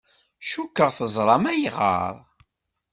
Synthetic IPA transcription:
ʃukːəʁθəzˤɾˤɑmæjʁə̰ɾˤ

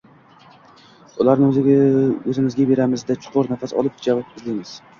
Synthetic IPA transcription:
ʊlaɾnɪɵzɪmɪzɡʲabe̞ɾamɪzd̪at͡ʃʰʊ̥qʰʊɾnafasɒ̰lˠɪp̚d͡ʒavɒp̚ɪzlɪjmɪz̥

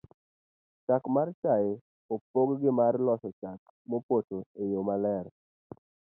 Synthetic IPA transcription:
t͡ʃakmart͡ʃajɪ | opoɡɡɪmarlɔsɔt͡ʃak | mopotoejomalɛɾ

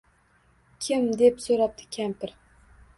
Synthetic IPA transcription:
kʲʰɪmd̪epsoɾap̚t̪ʰɪ̥kʲʰampʰɪɾ

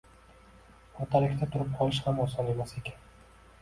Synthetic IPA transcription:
ot̪ʰalɪkʲt̪at̪ʰʊɾɪp̚qʰɒlˠɪʃhamɒsɒne̞mase̞kʲan

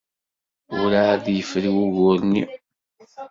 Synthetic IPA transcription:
ʊɾaðjəfɾiwuɣʊɾnḭ

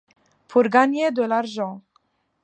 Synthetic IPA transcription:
pʰuɾɡanjɛd̪olaɾʒɔ̃

